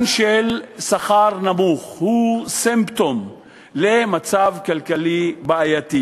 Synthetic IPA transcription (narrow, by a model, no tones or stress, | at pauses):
nʃelsaχaʁnamuχhusempt̪om | lemat͡savkalkalibeajat̪i